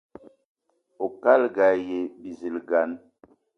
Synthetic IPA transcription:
o˨ka˦lɡa˨je˨bi˨zi˨lɡa˨˦n

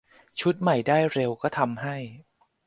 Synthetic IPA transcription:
t͡ɕʰu˦˥t̪̚ma˨˩jdaː˥˩jɾe˧wkɔː˥˩t̪ʰa˧mɦa˥˩j

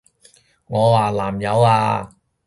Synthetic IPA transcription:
ŋɔː˨˧waː˨˩la̰ː˨˩mjɐ˨˧˥waː˧

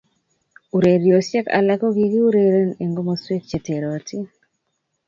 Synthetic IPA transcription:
u˨ɾe˨ɾjo˨sjɛ˦ka̰˨la˦ko˦ɡi˦ɡi˦u˦ɾe˨ɾo˦ne˨ŋɡo˦mɔ˦swe˦t̚t͡ʃe˨te˨ɾo˨ti˦

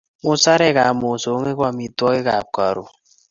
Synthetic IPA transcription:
mu˦sa˦ɾɛ˦ɣa˨mo˨so˨˦ŋe˦kʷa˦˨mi˨twɔ˦ɣe˦ɣa˨ka̰˨ɾo̰˨

